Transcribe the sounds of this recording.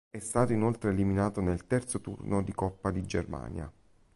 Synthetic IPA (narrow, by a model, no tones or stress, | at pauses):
ɛst̪aːt̪oinolt̪ɾeːliminaːt̪onelt̪ɛrt̪sot̪ṵrnod̪ikɔpːad̪id͡ʒerma̰ːnja̰